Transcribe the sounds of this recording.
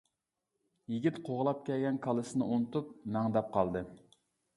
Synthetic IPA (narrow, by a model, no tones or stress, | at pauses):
jiɡʲit̪qʰoʁlˠɑp̚kʲɛlɡʲɛnkʰɑlˠɨsɨnɨunɨt̪up̚nɑŋd̪ɑp̚qʰɑlˠd̪ɨ